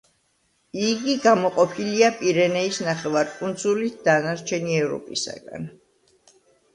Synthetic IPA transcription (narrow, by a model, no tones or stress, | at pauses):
iɡiɡamɔqʼɔpʰiliapʼiɾɛnɛisnaχɛvaɾkʼund̪zulit̪̚ʰd̪̥anaɾt͡ʃʰɛniɛvɾɔ̰pʼisa̰ɡa̰n